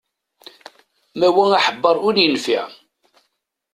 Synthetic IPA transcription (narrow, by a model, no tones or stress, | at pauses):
mæwæŋaħəbːəɾˤʊɾjənfiʕ